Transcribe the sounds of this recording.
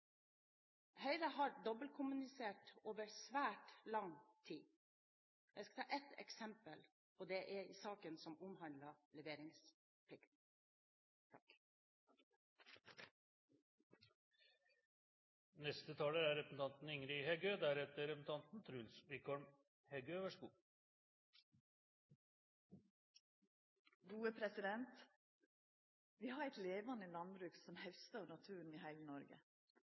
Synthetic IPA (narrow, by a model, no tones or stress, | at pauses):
hœɪɾəhɑːɾd̪ɔbəlkʰʊmʉnɪseːʈoːʋəɾsʋæːʈlɑŋt̪ʰiː | jæɪskɑ̥t̪ʰɑːʔɛt̪ɛ̰ksɛmpəl | pʰɔd̪ɛʔæiːsɑːkənsɔmʊmhɑnd̪lɑlɛʋeːɾɪŋs | pʰlɪkt̪n̩ | t̪ʰ | nɛst̪ət̪ʰɑːləæɾɛpsn̩t̪ɑnt̪n̩ɪŋɾɪhɛɡøːd̪æɾɛt̪əɾɛpn̩t̪ʰɑnt̪n̩t̪ʰɾʉːlsʋɪkʰɔɾm | hɛɡøːʋæʂɡṵː | ɡuːəpʰɾɛsɪd̪ɛnt̪ | ʋiːhɑːɾɛɪt̪leːʋɑnəlɑnbɾʉːksɔmhɛʋst̪oːnɑt̪ʰʉːn̩iːhæɪlənɔɾɡə̰